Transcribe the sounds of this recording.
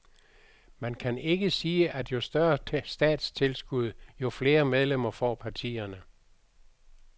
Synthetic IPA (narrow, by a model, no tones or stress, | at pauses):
mænkʰæne̝ɡ̥əsiːəʔæd̥jo̝sd̥ɶɐsd̥ɛ̰ːd̥st͡sʰe̝lsɡ̥uð̞̰ˠjo̝fle̝ːɐmeð̞ˠlem̰ɐfɒ̰ːpʰɑ̈t͡sʰḭːɐnə